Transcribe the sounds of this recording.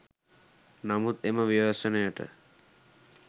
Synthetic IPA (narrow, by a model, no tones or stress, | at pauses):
namut̪eməʋiʋəsənəjəʈə̰